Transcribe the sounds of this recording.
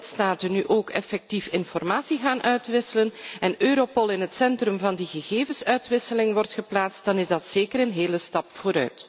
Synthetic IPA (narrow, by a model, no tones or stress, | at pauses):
ltstaːtənːyʔoːkɛfɛk̚tifɪnfɔrmaːsiɣaːnʔœɥtʋɪsələnɛnøːɾopɔlˠɪnɦətsɛntrɵmvɑndiɣəɣeːvənsœɥtʋɪsəlɪŋʋɔrtχəplaːtst̚d̥ɑnɪzdɑtseːkəɾənɦeːləstɑpfoːɾœ̰ɥt